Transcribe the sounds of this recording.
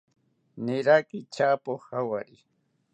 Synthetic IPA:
nɪɾakɪt͡ʃapoχawaɾɪ

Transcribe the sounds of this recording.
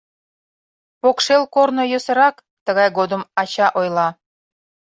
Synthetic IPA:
pokʃelkornojəsə̆ɾɑk | t̪əɣɑjɣod̪ə̆mɑt͡ɕɑʔojlɑ

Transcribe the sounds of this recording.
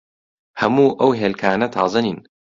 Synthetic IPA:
hɐmuːʔɐwɦeːlkʰaːnɐt̪ʰɑːzɐniːn

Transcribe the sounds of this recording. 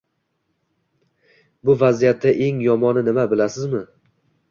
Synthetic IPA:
bʊvazijat̪ːaʔe̞ŋjɒmɒnɪnɪmabɪlasɪzmɪ

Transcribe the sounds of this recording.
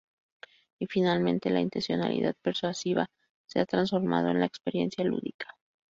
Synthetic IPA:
ifinalmẽ̞nt̪e̞laint̪e̞nsjo̞na̰lḭðað̚pe̞ɾswasiβa | se̞at̪ɾansfo̞ɾma̰ð̞o̞e̞nlaekspe̞ɾje̞̰nsjalṵðikḁ

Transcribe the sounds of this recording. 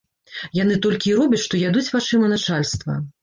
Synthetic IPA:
jan̪ɨt̪ɔlʲkʲiːɾɔbʲɐt͡sʲʂt̪ɔjad̪ut͡sʲvat͡ʂɨmɐnat͡ʂalʲst̪vɐ̰

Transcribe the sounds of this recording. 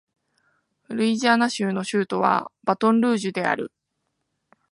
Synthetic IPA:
ɾɯ̟iʑaːnaɕɨːno̞ɕɨːt̪o̞βa̰b̥at̪õ̞nɾɯ̟ːʑɨd̪e̞a̰ɾɯ̟

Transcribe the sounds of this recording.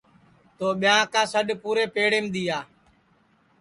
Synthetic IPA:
t̪oːɓɪjãːkãːsəɗpuːɾeːpeːɽeːmɗ̪iːaː

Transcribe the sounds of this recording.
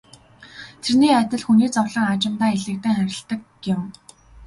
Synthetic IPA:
t̪ʰerniːat̪ʲɪ̆ɮxuniːt͡sɔwɮə̆ŋat͡ɕɪ̆mt̪aːeɮɘ̆k̚t̪æːŋχæɾʲɪ̆ɬt̪ə̆k | ɪm

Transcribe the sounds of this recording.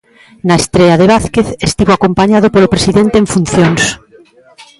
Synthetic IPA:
naest̪ɾeaðeβaθkeθest̪iβoakompaɲað̞opolopɾesiðẽnt̪eɱfun̟θjoŋs

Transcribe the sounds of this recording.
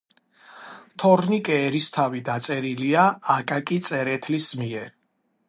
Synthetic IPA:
t̪ʰɔɾnikʼɛːɾist̪ʰavid̪at̪sʼɛɾiliaːkʼakʼit̪sʼɛɾɛt̪ʰlismiɛɾ

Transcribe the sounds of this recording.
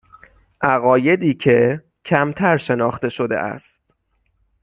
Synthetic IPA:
ʔæɣɒːje̞d̪iːkʰe̞ | cʰæmt̪ʰæɾʃe̞nɒːxt̪e̞ʃo̞d̪e̞̰ʔæ̰st̪̚

